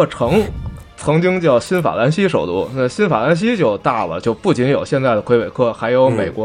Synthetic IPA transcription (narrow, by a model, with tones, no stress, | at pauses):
ʈ͡ʂʰɤ˧˥ŋ | t͡sʰɤ˧˥ŋt͡ɕi˥ŋt͡ɕjɑ˥˩ʊɕi˥nfa̰˨˩la˧˥nɕi˥ʂo˨˩ʊt̪u˥˩na˥˩ɕi˥nfa̰˨˩la˧˥nɕ̬i˥t͡ɕjo˥˧ʊt̪a˥˩lə̰˩t͡ɕjo˥˧ʊpu˥˩t͡ɕi˧˥njo˨˩ʊɕjɛ˥˧nt͡sa˥˩ɪd̪ə˩kʰwe˥ɪwe˨˩ɪkʰɤ˥˩xa˧˥ɪjo˧˥ʊme˨˩ɪkwɔ˧˥